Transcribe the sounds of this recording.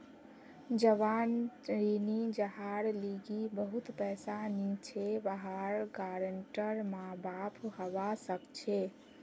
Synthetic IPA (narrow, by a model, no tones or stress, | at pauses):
d͡ʒəʋanɾinid͡ʒəɦaɾliɡibəɦut̪pɛsanit͡ʃʰebəɦaɾɡaɾəɳʈəɾmãbapʰhəbasəkt͡ʃʰe